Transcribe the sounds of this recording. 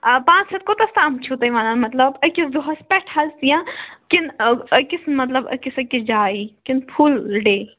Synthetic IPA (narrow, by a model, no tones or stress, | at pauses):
pãːt͡ʃsɐt̪̚kot̪ɐst̪amt͡ʃʰut̪ɐjʋaːnɐnmɐt̪lɐbɐkisd̪oɦɐspɛʈʰhɐlsijãkinɐkismɐt̪lɐbɐ̰kisɐkid͡ʒaːikinpʰulɖeː